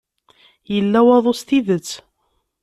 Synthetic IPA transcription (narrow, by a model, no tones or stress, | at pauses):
jəlːæwɑðˤost̪iðət͡sː